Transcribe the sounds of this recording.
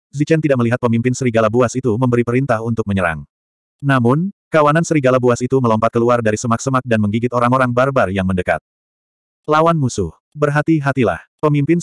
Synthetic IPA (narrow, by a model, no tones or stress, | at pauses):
zit͡ʃɛnt̪idaʔkməliɦat̪̚pəmimpɪnsəɾiɡalabuasit̪uməmbəɾipəɾint̪aɦunt̪ʊk̚məɲəɾa̰ŋ | namʊnkawanansəɾiɡalabuasit̪uməlɔmpat̪̚kəluardaɾisəmak̚səmak̚danməŋɡiɡɪt̪oɾaŋoɾaŋbarbarjaŋməndəka̰t̪̚ | lawanmusʊh | bərɦat̪iɦat̪ila̰hpəmimpɪn